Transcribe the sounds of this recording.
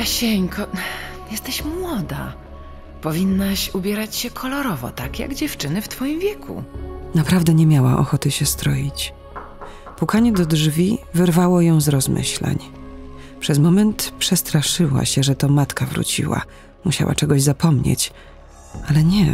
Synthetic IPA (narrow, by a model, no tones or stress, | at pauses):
aɕɛɲkʰɔjɛst̪ɛɕmwɔd̪a̰ | pɔvʲinːaɕubʲjɛɾat͡ɕɕɛkʰɔlɔɾɔvɔ̰t̪akja̰ɡd͡ʑɛft͡ʂɘnɘft̪fɔjimvʲjɛkʰṵnapɾavd̪ɛɲɛmʲjawa̰ʔɔ̰xɔt̪ɘɕɛst̪ɾɔjit͡ɕ | pukaɲɛd̪ɔdʐvʲivɘɾvawɔjɔ̃w̃zɾɔzmɘ̰ɕla̰ɲ | pʂɛzmɔmɛnt̪pʂɛst̪ɾaʂɘwa̰ɕɛʐɛt̪ɔmat̪kavɾṵt͡ɕḭwa̰ | muɕa̰wʔa̰t͡ʂɛɡɔʑzapɔmɲḛt͡ɕ | alɛɲɛ